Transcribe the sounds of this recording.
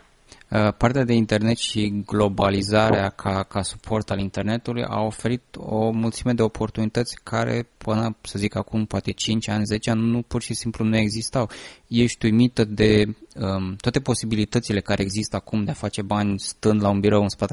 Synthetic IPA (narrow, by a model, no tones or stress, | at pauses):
part̪ead̪e̞int̪e̞rne̞t̪ʃiɡlo̞balizaɾeakʰakasu̥pʰo̞rt̪alint̪e̞rne̞t̪ulujʔa̰o̞fe̞ɾit̪o̞mult̪sime̞d̪eo̞pʰo̞rt̪unit̪ət̪sʲkʰaɾe̞̰pɨnəsəzikakumpoat̪e̞t͡ʃint͡ʃʲanʲze̞t͡ʃeanupurʃisimplunue̞ɡzist̪awjeʃʲt̪ujmit̪əd̪e̞ | t̪wat̪epo̞sibilit̪ət̪sile̞kaɾe̞ːɡzist̪əakumd̪e̞afat͡ʃe̞banʲst̪ɨnd̪launbiɾowɨnspat̪e